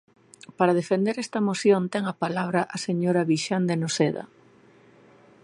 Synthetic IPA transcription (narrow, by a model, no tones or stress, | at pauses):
paɾɐð̞efend̪eɾɛst̪ɐmoθjont̪ɛŋɐpalaβɾɐʔaseɲoɾaβiʃand̪enoseðɐ̰